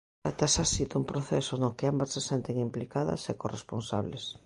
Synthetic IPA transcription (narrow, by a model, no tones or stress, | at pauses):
at̪asasit̪umpɾoθesonokeambassesent̪eŋimplikaðɐ̰sekoresponsa̰βles